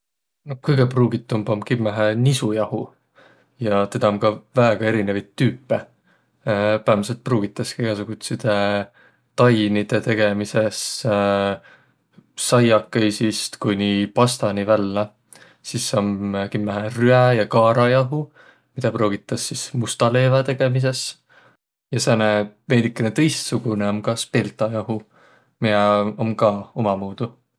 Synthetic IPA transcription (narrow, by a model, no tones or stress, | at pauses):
nokɯjɡ̥e̞pruːɡ̥it̪ːˑumbomkimːæɦænisujɑhu | jɑt̪e̞d̪ɑomkɑvæeɡ̥ɑe̞ɾinevɑjt̪ːyːpːe | pæːmse̞lt̪̚pruːɡ̥it̪ːˑɑskejɡ̥ɑsuɡ̥ut̪sid̪̥e | t̪ɑjnid̪̥e̞t̪e̞ɡ̥e̞mise̞s | sɑjɑkːejsist̪kujnipɑst̪ɑnivælːɑ | sisːomkimːæɦryæjɑkɑːɾɑjɑɦu | mid̪̥ɑpro̞ːɡ̥it̪ːˑɑsːismust̪ɑle̞ːvɑt̪e̞ɡ̥e̞mis̬e̞s | jɑseneve̞ːnikːˑenet̪ɤ̞jst̪suɡ̥uneomkɑspelt̪ˑɑjɑɦu | miɑomkɑomɑmuːd̪̥u